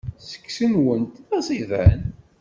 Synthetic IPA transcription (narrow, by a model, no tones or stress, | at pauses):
sə̥kːsənwənt̪ðæsˤivæ̰n